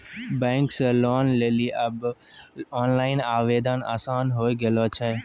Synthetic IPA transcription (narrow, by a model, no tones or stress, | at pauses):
bẽːŋksloːnleːliːʔəb | oːnlaːɪnaːʋeːd̪əna̰ːsaːnɦoːiɡeloːt͡ʃʰɛ